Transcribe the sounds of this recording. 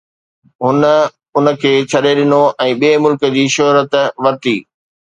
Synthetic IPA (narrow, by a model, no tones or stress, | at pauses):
ɦʊnə̆ | ʊnə̆kʰeːt͡ɕʰɐɗeɗɪnoʔɛ̃ːɓiemʊlkə̆d͡ʑiːʃɔɦɾət̪ʋɐɾt̪iː